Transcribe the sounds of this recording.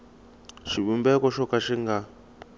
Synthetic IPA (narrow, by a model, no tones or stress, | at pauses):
ʃiɓumbɛkɔʃɔkʼaʃiŋɡa